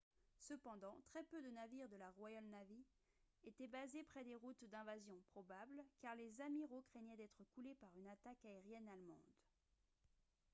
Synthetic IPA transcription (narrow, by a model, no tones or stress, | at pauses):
səpɑ̃d̪ɑ̃t̪χɛpød̪ənaviʁd̪əlaʁwajalnavi | et̪ɛbazepχɛd̪eʁut̪d̪ɛ̃vazjɔ̃pχɔbablkaʁlezamiʁokχɛɲɛd̪ɛt̪χəkulepaʁynat̪akaeʁjɛnalmɑ̰̃d̪